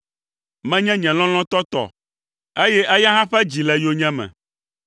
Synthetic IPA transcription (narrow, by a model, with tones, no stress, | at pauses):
mɛ̃˦ɲɛ̃˦ɲɛ̃˨lɔ̃˦l̃ɔ̃˦t̪ɔ˦t̪ɔ̰˨ | e˦jɛ˦ʔe˦ja˦ɦã˦ɸɛ˦d͡ʑi˨lɛ˨jo˦ɲɛ̃˦mɛ̰̃˨